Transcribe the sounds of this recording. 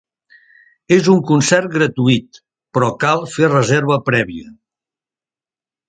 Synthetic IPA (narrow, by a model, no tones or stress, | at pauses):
ezuŋkunsɛrt̪̚ɡɾət̪uit̪ | pɾɔkalˠferəzeɾβəpɾɛβiə